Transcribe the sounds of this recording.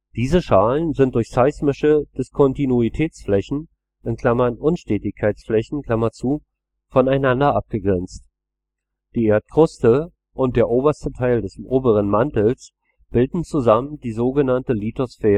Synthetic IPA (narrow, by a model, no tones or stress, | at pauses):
d̥iːzəʃaːlənzɪnt̚d̥ʊɐçsaɪsmɪʃəd̥ɪskʰɔntinuitʰɛːt͡sflɛçn̩ | ɪnkʰl̥amɐnʔʊnʃtɛːtɪçkʰaɪt͡sflɛçn̩kʰl̥amɐt͡suː | fɔnaɪnandɐʔap̚ɡ̥əɡʁɛnt͡st | d̥iːeːɐt̚kʁ̥ʊstə | ʔʊnt̚d̥eːɐʔoːbɐstətʰaɪldɛsʔoːbəʁənmantl̩s | b̥ɪldn̩t͡suzaməndiːzoːɡənantəlitosfɛːʁə